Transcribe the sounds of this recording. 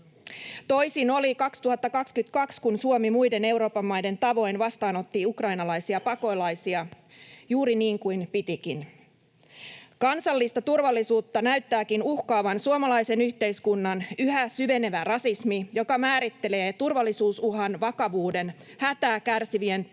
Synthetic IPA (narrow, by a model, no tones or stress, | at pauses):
t̪o̞jsino̞likɑkst̪uɦɑt̪ːɑkɑkskyt̪kɑkskunsuomimujde̞ne̞wɾo̞ːpɑmːɑjde̞nt̪ɑʋo̞jnʋɑst̪ɑːno̞t̪ːiukrɑjnɑlɑjsiɑpɑko̞jlɑjsiɑ | juːɾiniːŋkujnpit̪ikin | kɑnsɑlːist̪ɑt̪urʋɑlːisuːt̪ːɑnæyt̪ːæːkinuhkɑːʋɑnsuomɑlɑjse̞nyçt̪e̞jskunːɑnyhæsyʋe̞ne̞ʋærɑsismijo̞kɑmæːɾit̪ːe̞le̞ːt̪urʋɑlːisuːsuɦɑnʋɑkɑʋuːde̞nhæt̪æːkærsiʋie̞n